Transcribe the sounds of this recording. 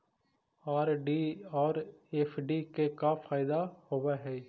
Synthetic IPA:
aːɾɖiɔːɾeːfʰɖikekafʰaːɪd̪ahoːʋaɦɛː

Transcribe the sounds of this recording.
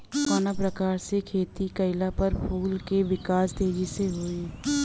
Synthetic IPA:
kaːnapɾəkaːɾsekʰeːt̪ikɐɪlapɐɾpʰuːlkeʋɪkaːst̪eːd͡ʒiseɦoːiː

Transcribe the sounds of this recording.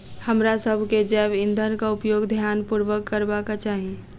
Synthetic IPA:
həmɾasəbʱked͡ʒɛːbɪ̃nd̪ʱənkaʊpjoːɡd̪ʱjaːnpuɾʋəkːəɾbakat͡ʃaːɦi

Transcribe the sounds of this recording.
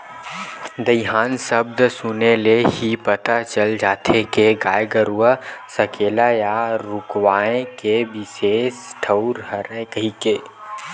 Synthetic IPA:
d̪əɪɦaːnsəb̚d̪sʊneleɦipət̪at͡ʃəld͡ʒaːt̪ʰekeɡaːjɡəɾuʋəsəkeːlajaɾʊkwaːẽkebɪseːsʈʰəʊɾɦəɾəkəɦikeː

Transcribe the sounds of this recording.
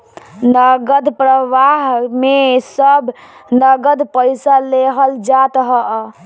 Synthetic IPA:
nəɡəd̪pɾəʋaɦmesəbʱ | nəɡəd̪pəjsaleɦəld͡ʒat̪ɦə

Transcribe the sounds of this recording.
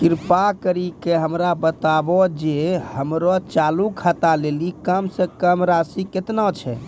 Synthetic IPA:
kiɾpakəɾikeɦəmɾabət̪abɔd͡ʒehəmɾɔt͡ʃalukʰat̪alelikəmsə̃kəmɾasiket̪nɔt͡ʃʰɛ̰

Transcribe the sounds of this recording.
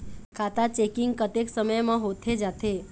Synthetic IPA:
kʰat̪at͡ʃekɪŋɡkət̪eksəməjmãɦot̪ʰed͡ʒat̪ʰe

